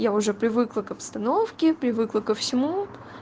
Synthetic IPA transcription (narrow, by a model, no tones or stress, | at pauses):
jaʊʐɛpɾʲɪvɨklˠəkɐpst̪ɐnofkʲɪpɾʲɪvɨklˠəkəfsʲɪmu